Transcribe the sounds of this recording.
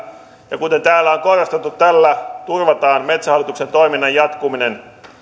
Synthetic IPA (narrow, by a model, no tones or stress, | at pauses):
jɑkut̪e̞nt̪æːlːæoŋkorɑst̪et̪ːut̪t̪ːælːæt̪urʋɑt̪ɑːnme̞t̪sæhɑlːˑit̪uksent̪o̞iminːɑjɑt̪kuminen